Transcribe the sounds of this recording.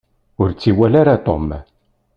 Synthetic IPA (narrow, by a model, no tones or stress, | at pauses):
ʊɾt͡sːiwælaɾat̪ˤo̰m